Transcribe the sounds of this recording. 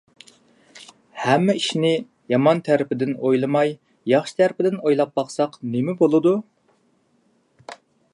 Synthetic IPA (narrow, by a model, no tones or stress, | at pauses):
hɛmːɛiʃnɪ | jɑmɑnt̪ʰæɾɪpʰɪd̪ɪnojlˠɨmɑj | jɑχʃi̥t̪ʰæɾpɪd̪ɪnojlˠɑp̚bɑχsɑqnemɪbolˠɨd̪u